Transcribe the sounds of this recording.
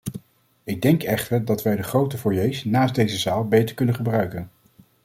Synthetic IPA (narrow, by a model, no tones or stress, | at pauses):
ɪɡ̚dɛŋkɛχtəɹdɑtʋɛjdəχrowtəfʊːɹjejsnaːsdejzəzaːlˠbejtəɹkɵnənχəbrœɥkən